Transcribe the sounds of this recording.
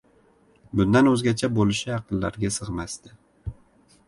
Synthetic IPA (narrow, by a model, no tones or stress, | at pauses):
bʊnd̪anɵzɡʲat͡ʃʰabolɪʃɪjɑqɨnlaɾɡʲasɨʁmast̪ɪ